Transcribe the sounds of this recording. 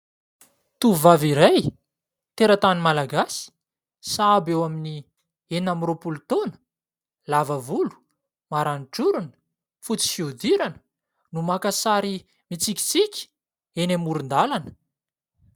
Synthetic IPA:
t̪uvaviɾaj | t̪eɾat̪animalaɡasi̥ | saabewamini | enamiropult̪onə̥ | lavəvulu̥ | maɾaniʈ͡ʂuɾunə̥ | fut͡si̥fiud̪iɾanə̥ | numakasaɾi | mit͡sikʲi̥t͡sikʲi̥ | enamuɾund̪alanə̥

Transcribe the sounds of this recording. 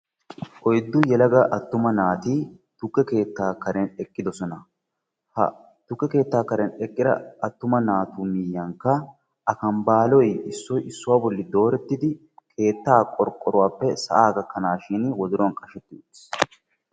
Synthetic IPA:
ʔɔjd̪ːʊjɛlɐɡɐʔɐt̪ːʊmɐnaːt̪iː | t̪ʊkːɛke̞ːt̪ːaːkɐɾɛnɛkʼːɪd̪ɔsɔnɐ | hɐ̰ | t̪ʊkːɛke̞ːt̪ːaːkɐɾɛnɛkʼːɪd̪ɐ̰ɐt̪ːʊmɐnaːt̪uːmijːɐŋkːɐ | ʔɐkɐmbaːlɔjɪsːɔjʔɪsːʊwaːbɔlːɪd̪o̞ːɾɛt̪ːɪd̪ɪ | kʰe̞ːt̪ːaːkʼɔɾkʼːɔɾʊwaːpːɛsɐ̰ʔaːɡɐkːɐnaːʃɪnwɔzʊɾɐnkʼɐʃɛt̪ːɪs

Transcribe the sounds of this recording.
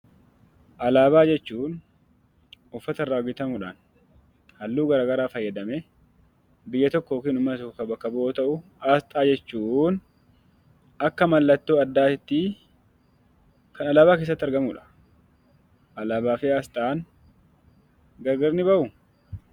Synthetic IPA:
ʔɐlaːbaːd͡ʒɛt͡ʃːuːn | ʊfːɐt̪ɐrːaːɔɡɪt̪ɐmʊᶑa̰ːn | hɐlːuːɡɐɾaːɡɐɾaːfɐjːɐd̪ɐmɛ | bɪjːɐt̪ɔkːɔoːkiːnʊmːɐt̪ɔkːkɐbɐkːɐbʊoːt̪ɐʔʊ | aːst̪ʼaːd͡ʒɛt͡ʃːuːn | ɐkːɐmɐlːɐt̪ːo̞ːɐd̪ːaːɪt̪ːɪ | kɐnɐlaːbaːk̬eːs̬ːɐt̪ːɐɾɡɐmʊᶑɐ̥ | ʔɐlaːbaːfɪaːst̪ʼaːn | ɡɐɡɐɾnɪbɐʔʊ

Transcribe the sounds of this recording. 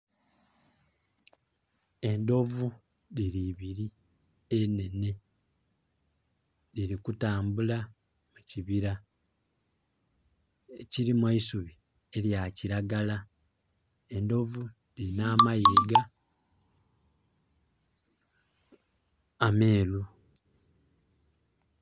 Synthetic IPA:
e̞ndo̞vu | liɾiβiɾi | ene̞ne̞ | liɾikutaːmbula | muciβiɾa | eciɾimwaisuβi | e̞ljaciɾaɡala | e̞ndo̞vu | liinaːmajeːɡa | ame̞ːlu

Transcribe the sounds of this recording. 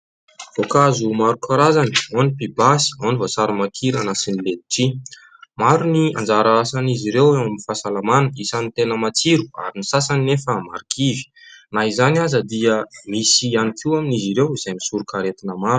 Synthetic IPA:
v̥okazumaɾukʰaɾazanionipibasi̥onivosaɾumakʰiɾanasiniled̪iʈ͡ʂi | maɾunia̰nd͡zaɾaasaniziɾewewamifasalamanəisanit̪enəmat͡siɾua̰ɾinisasaninefəma̰ɾikʰivi̥ | naizanazəd̪iəmisianikʰiaminiziɾewiz̥ajmisuɾukaɾet̪inəmaɾu

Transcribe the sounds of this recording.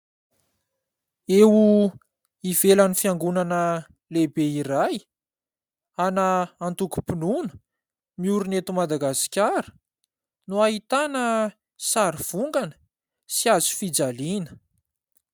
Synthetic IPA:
ewu | iv̥elanifiaŋɡunanə | lebeiɾaj | anəant̪uku̥pinunə̥ | miuɾunet̪umad̪aɡaskʲaɾə̥ | nuaɦit̪anə | saɾiv̥uŋɡanə̥ | siazu̥fid͡zalinə̥

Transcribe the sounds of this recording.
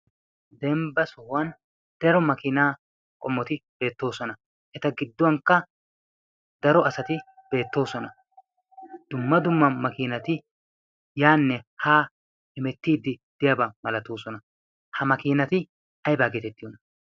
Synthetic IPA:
d̪ɛmbɐsɔhwɐn | d̪̥ɛɾɔmɐkɪnaː | kʼɔmːɔt̪ɪb̥e̞ːt̪ːo̞ːsɔnɐ | ʔɛt̪ɐɡɪd̪ːɔwɐŋkːɐ | d̪ɐɾɔɐsɐt̪ɪ | b̥e̞ːt̪ːo̞ːsɔnɐ | d̪̥ʊmːɐd̪ʊmːɐmɐkiːnɐt̪ɪ | jaːnːɛhaː | hɪmɛt̪ːiːd̪ɪd̪̥ɪjɐbɐmɐlɐt̪oːsɔnɐ | hɐmɐkiːnɐt̪ɪ | ɐjbaːɡeːt̪ɛt̪ːɪjɔnɐ

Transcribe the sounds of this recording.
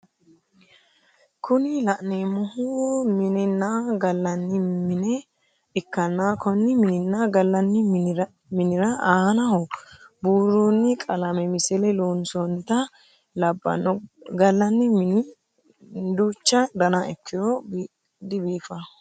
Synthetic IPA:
kʰʊnɪlɐʔnemɔhʊmɪnɛnːaɡɐlːɐnːɪmɪnɛ | ɪkːɐnːaːkʰɔnːɪmɪnɪnːaɡɐlːɐnːɪ | mɪnɪɾɐahɐnɐhɔbuːɾonːɪkʼɐlɐmɛmɪsɛlɛloːnsɔnɪt̪ɐ | lɐbːɐ̰nɔɡɐlːɐnːɪmɪnɪ | d̪uːt͡ʃːɐd̪ɐnɐɛkʰːɪjɔ | d̪ɪbiːfɐ

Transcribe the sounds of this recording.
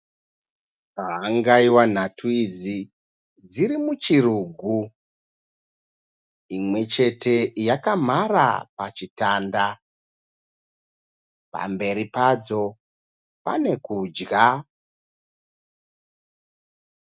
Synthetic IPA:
aɦaŋɡaiwan̤atʰuid͡zi | d͡ziɾimut͡ʃiɾuɡʱu | imwe̞t͡ʃe̞te̞jakam̤ara̰pat͡ʃitaːnda | pa̰mbe̞ɾipad͡zo̞ | pa̰ne̞kud͡ʒɡa

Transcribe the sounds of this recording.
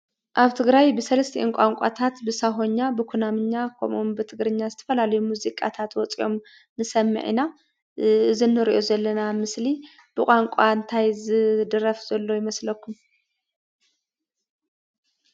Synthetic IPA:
ʔaβt̪ʰɨɡɾajbɨsɐlɐst̪ʰiʔnkʷʼaŋkʷʼa̰t̪ʰat̪bɨsaɦo̞ɲːabɨkʷʰunamɨɲːakʰo̰mʔumbɨt̪ʰɨɡɾɨɲːazɨt̪ʰɐ̥fɐlalɐjumuzikʼa̰t̪ʰat̪wɔt͡sʼiʔo̞m | nɨsɐmːɨ̰ʕḭna | ɨzinːɨɾiʔo̞zɐlːɐnamɨsli | b̥ɨkʼaŋkʷʼaɨnt̪ʰajzɨd̪ɨɾɐfz̥ɐlːo̞jɪmɐslɐkːum

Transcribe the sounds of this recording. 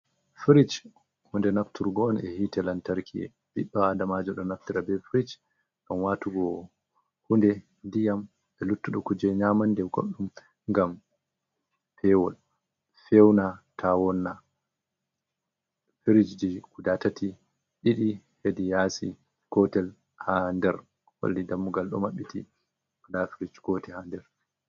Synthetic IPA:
fiɾit͡ʃ | hundɛnaftuɾɡɔɔnɛhitɛlantaɾkʰiɛ̰ | biɗːɔadamad͡ʒɔɗɔnaftiɾabɛfɾit͡ʃ | ɗɔnwatuɡɔ | hundɛ | ndijam | ɛlutːuɗɔkud͡ʒɛɲamandɛɡo̰ɗːum | ŋɡam | fɛwɔl | fɛwnatʰawɔnːa | fiɾid͡ʒd͡ʒikudatatʰi | ɗiɗihedijasi | kɔtɛl | handɛɾ | wa̰ldidamːuɡalɗɔ̰maɓːitḭ | dafiɾit͡ʃkɔtɛhandɛɾ

